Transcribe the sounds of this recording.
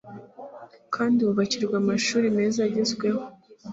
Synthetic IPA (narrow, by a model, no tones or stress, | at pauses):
kʰaːndiuβaciɾɡwamaʃuːɾime̞ːzaɟezɡwe̞ho̞